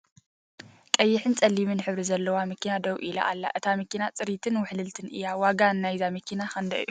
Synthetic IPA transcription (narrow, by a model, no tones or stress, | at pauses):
kʼɐjːɪħɨnt͡sʼɐlːimɨnħɨβɾizɐlːɐwamɨkʰːinad̪ɐwʔila̰ʔalːa̰ʔɨt̪ʰamɨkːinat͡sʼɨɾit̪ʰɨnwʊħlɨlt̪ʰɨnʔɨ̰jːawaɡanːajzamɨkʰːinaxɐnd̪ɐʔjːu